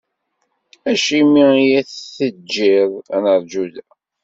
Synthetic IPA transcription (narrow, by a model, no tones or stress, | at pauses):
æʃimiijæθθəd͡ʒːiðˤæ̰nəɾˤd͡ʒuðæ